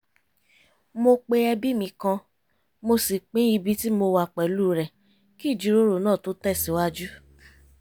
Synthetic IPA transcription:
mo˧k͡pe˧ɛ˧bi˦mĩ˧kã˧ | mo˧si˨k͡pẽ˦i˧bi˦ti˦mo˧wa˧˨k͡pɛ˨luː˦˨ɾɛ˨ | ki˦˨d͡ʒi˨˦ɾo˦ɾo˨nãː˦˨to˦tɛ˦˨si˨˦wa˦d͡ʒu˦

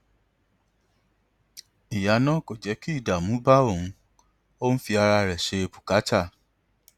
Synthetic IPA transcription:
i˨ja˨˦nã˦ko˦˨d͡ʒɛ˨˦ki˦i˦˨da˨mũ˨˦ba˦o˦˨ũ˧ | o˦n̩˦fi˧a˧ɾa˧ɾɛ˨ʃe˧bu̥˨ka˨˦t͡ʃa˦˨

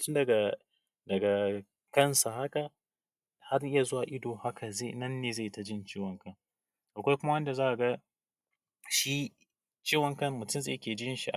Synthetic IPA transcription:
tʊ˦dɐ˨ɡa˨ | dɐ˨ɡa˨ | kɐ˦nsa˨ha˦ka˨ | ha˦rʔɪ˦ja˨zo˦wa˨ʔɪ˦doː˨ha˦kʰa˨ze˦˨nɐ˦nːeː˨za˦˨ta˨d͡ʒɪ˦nt͡ʃeː˦wɐ˨ŋkɐ˦˨ŋ | ʔa˨kʷa˦jkʷʊ˦ma˦wɐ˦nda˨zaː˦ʔa˨ɡa˦ | ʃi˦ | t͡ʃeː˦wɐ˨ŋkɐ˦mmʊ˨tʊ˦msa˦˨jɐ˦kʲeː˨d͡ʒɪ˦ɪ˦nʃi˨ʔa˨

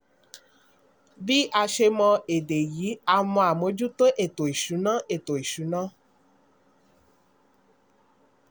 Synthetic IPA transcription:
bi˦ʔa˧ʃe˧mɔ̃˧e˨de˨ji˨˦a˧mɔ̃˧a˨mo˨˦d͡ʒu˦t̪o˦ʔe˦˨to˨i˨ʃu˨˦nã˦e˨t̪o˨i˨ʃu˨˦nã˦

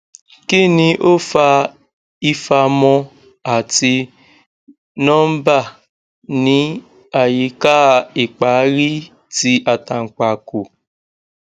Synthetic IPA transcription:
ki˦nĩ˧ʔo˦fa˧ | i˦fa˧mɔ˧ | a˨ti˧ | nɔ̃˦m̩˦ba˦˨ | nĩ˦ | a˨ji˨ka˦˨i˨k͡pa˨˦ɾi˦ | ti˧ʔa˨ta˨ŋ͡m̩˨k͡pa˨ko˨

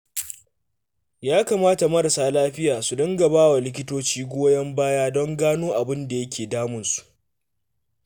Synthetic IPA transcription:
jaː˦kaː˨maː˦ta˨mɐ˦ɽɐ˨saː˦laː˦ɸɪ˦jaː˨su˨dɐ˦ŋɡɐ˨baː˦wa˨lɪ˦k̬ʲɪ˦toː˦t͡ʃiː˦ɡʷoː˦jɐ˦mbaː˦jaː˦dɔ˦ŋɡaː˦noː˦ʔa˨bɪ˦nda˨jɐ˦kʲʰeː˨daː˦mʊ˨nsu̥˨ʔ

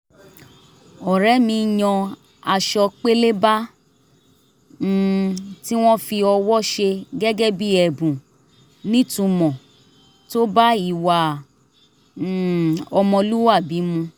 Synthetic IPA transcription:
ɔ˨ɾɛ˨˦mĩ˧jɔ̃˧ | a˧ʃɔ˧k͡pe˦le˦ba˦ | ti˦w̃ɔ̃˦fi˧ɔ˧wɔ˦ʃe˧ɡɛ˦ɡɛ˦bi˦ɛ˨bũ˨ | nĩ˦tũ˧mɔ̃˨ | to˦ba˦i˦˨wa˨ | ɔ˧mɔ̃˧lu˦wa˦˨bi˨˦mũ˧

